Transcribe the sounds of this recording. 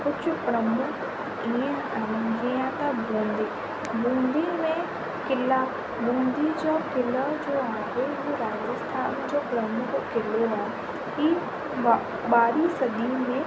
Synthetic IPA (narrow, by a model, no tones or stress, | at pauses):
kʊt͡ʃʰpɾəmʊk | iẽ | ãɡeãt̪ãbõːnd̪iː | bõːnd̪iːmẽ | kɪlaː | bõːnd̪id͡ʒaːkɪləd͡ʒoːaːɦeɦoɾaːd͡ʒəst̪ʰaːnd͡ʒoːpɾəmʊkkɪleaː | ki | baːɾiːsəd̪iːmẽ